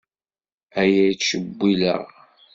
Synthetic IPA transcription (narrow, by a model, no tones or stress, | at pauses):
æjæjt͡sʃəbːilə̰ʁ